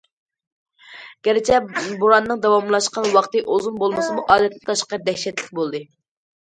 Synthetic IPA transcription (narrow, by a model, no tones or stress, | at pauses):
ɡ̥ʲɛɾɪt͡ʃʰɛbuɾɑnːɨŋd̪ɑwɑmlˠɑʃqɑnwɑqt̪ɨʔozunbolˠmɨsɨmuʔɑːd̪ɛt̪nɪt̪ʰɑʃqɑd̪ɛhʃɛt̪lɪk̚ʲbolˠd̪ɨ